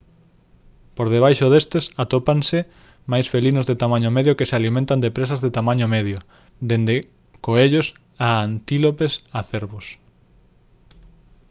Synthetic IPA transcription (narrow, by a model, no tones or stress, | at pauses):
poɾðeβ̞ajʃoðest̪ɪsat̪opansɪ | majsfelinʊzðet̪amãɲomeðjokesealimẽnt̪and̪epɾesazðet̪amãɲomeðjo | d̪end̪e | koeʎos | aant̪ilopesaθeɾβʊs